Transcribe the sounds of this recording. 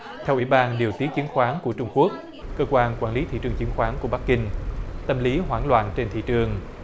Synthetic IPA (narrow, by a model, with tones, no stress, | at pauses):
t̪ʰɛ˧wʔḭ˧˩ɓaː˧nɗi˨˩əwt̪i˦ək̚t͡ɕi˨˦ənxwaː˨˦nku˧˩ət͡ɕʊ˧ŋ͡mku˦˥ək̚ | kəː˧kwaː˧nkwaː˧˩nli˨˦t̪ʰḭ˧˨t͡ɕɨ˨˩əŋt͡ɕi˨˦ənxwaː˨˦nku˧˩əɓa˦˥k̚ːï˧ŋ̟t̪ə˧mli˨˦ɦwaː˧˩nlwa̰ː˧˨nt͡ɕe˧nt̪ʰḭ˧˨t͡ɕɨ˨˩əŋ